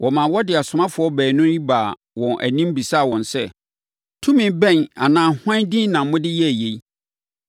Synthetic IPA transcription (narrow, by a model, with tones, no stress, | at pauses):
wʔɔ˨mã˨wɔ˦dɪ˨a˨sʊ˨mã˦fʊ˨˦ɔ˦bæː˨nʊ̃˦i˦baː˨ | wɔ̃˨nʔæ̰˨nĩ˦m˦bi˨sa˦˨wɔ̃˨nsɛ˦ | tʰũ˦mɪ̃˨bɛ̃˦˨na˨nãː˨hã˦dĩ˦nnã˨˦mʊ̃˦dɪ˦jɛ˦æ˨je˨i˦